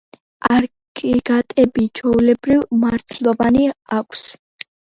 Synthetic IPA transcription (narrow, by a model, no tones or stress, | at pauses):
aɾ | kʼiɡat̪ʼɛbit͡ʃʰɔulɛbɾivmaɾt̪ʰlˠɔvaniakʷʰs